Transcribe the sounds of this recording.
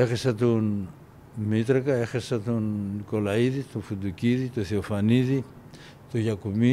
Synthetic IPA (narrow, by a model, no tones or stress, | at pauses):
exesat̪un | mit̪ɾakaexesat̪unkolaiðit̪ufud̪ukiðit̪uθiofaniði | t̪ujakumi